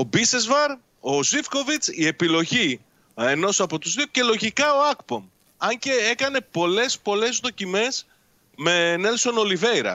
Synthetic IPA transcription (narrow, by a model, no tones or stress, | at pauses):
o̞bise̞zvɐɾ | o̞zifko̞vit͡sie̞pilo̞ʝi | e̞no̞sɐpo̞t̪uzðiuce̞lo̞ʝikɐo̞ɐkpo̞m | ɐɲce̞ekɐne̞po̞le̞spo̞le̞zðo̞cime̞s | me̞ne̞lso̞no̞live̞jɾɐ̰